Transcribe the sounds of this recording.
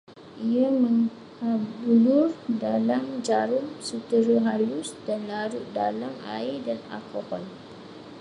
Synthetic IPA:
ʔiaməŋ | habulʊrdalamd͡ʒaɾʊŋsut̪əɾəɦalusdanlaɾuʔdalama̰idana̰lkɔhɔl

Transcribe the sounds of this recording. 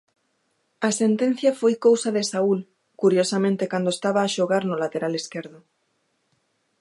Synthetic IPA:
ɐsent̪ẽn̟θjɐfojkowsaðesaul | kuɾjosamẽnt̪ekand̪oest̪aβaːʃoɣaɾnʊlat̪eɾaleskeɾðʊ

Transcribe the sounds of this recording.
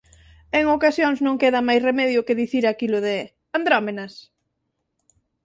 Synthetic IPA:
eŋokasjoŋznõŋkeðɐmajsremɛðjʊkeðiθiɾakilʊðe | and̪ɾɔmenɐs

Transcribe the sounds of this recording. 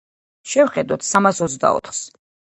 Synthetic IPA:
ʃɛvχɛd̪ɔt̪ʰsamasɔt̪zd̪a̰ɔ̰t̪ʰχs

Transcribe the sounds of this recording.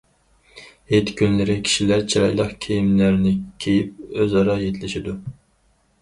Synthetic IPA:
het̪kʲʰynlɪɾɪkʲʰi̥ʃilæɾt͡ʃʰiɾɑjlˠəqkʲʰejimlæɾnɪkʲʰejip̚øzɑɾɑjet̪ʰlɪʃɪd̪u

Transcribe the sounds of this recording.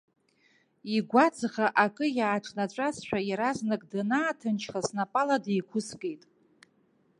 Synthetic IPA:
iɡʷad͡zʁaʔakʼɨjaːʈ͡ʂʼnat͡ʃʷʼasʃᶣajaɾaznɨkʼdanaːtʰɨnt͡ʃʰχasnapʼaladejkʷʰʊskʼejtʼ

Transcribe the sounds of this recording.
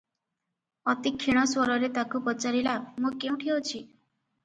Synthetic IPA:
ɔt̪ikʰːiɽ̃ɔswɔɾɔɾet̪akʰupɔt͡ʃaɾilamũkeũʈʰiɦot͡ʃʰi

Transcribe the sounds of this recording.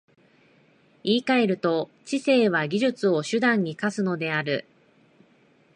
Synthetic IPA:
iːkae̞ɾɯ̟t̪o̞t͡ɕise̞ːβaɡʲiʑɨt͡sɨo̞ɕɨd̪ãɲ̟ːikasɨno̞d̪e̞aɾɯ

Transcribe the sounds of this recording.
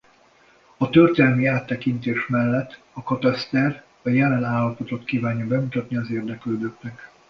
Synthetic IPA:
ɒt̪ørt̪ɛlmiaːt̪ːɛkint̪eːʃmɛlːɛt̪ː | ɒkɒt̪ɒst̪ɛr | ɒjɛlɛnaːlːɒpo̞t̪o̞t̪kiːvaːɲjɒbɛmut̪ɒt̪niɒzeːrd̪ɛkløːd̪øk̪nɛk

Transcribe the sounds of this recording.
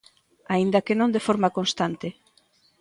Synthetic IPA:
aind̪ɐkenõnd̪efoɾmakonst̪ant̪ɪ

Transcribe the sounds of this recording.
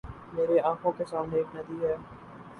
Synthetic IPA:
meːɾeaːkʰõkesaːmneeːknɐd̪ʱiɦɛː

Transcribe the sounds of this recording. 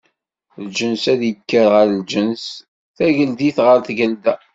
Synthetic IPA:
ld͡ʒənsæðjəkːəɾʁəɾld͡ʒəns | θæʝəld̪iθʁəɾθɡəld̪æ

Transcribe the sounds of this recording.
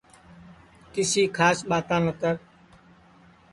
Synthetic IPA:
k̪ɪsiːkʰaːsɓaːt̪ãːnət̪əɾ

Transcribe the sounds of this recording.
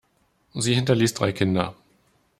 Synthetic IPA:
ziːhɪntɐliːsd̥ʁa̰ɪkʰɪndɐ

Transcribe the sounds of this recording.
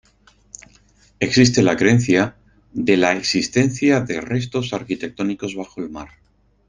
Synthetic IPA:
e̞ksis̬t̪e̞lakɾe̞n̟θja | ðe̞lae̞ksist̪e̞n̟θjaðe̞re̞st̪o̞saɾkit̪ek̚t̪o̞niko̞zβaxo̞elmaɾ

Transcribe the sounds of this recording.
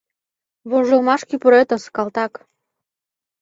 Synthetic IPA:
βoʒɤ̆lˠmɑʃkʲipuɾet̪ə̆skɑlˠt̪ɑk

